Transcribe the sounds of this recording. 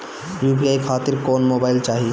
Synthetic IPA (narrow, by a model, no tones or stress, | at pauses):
ɾupijajkʰaːt̪iɾkoːnmoːbaːɪlt͡ʃaːɦi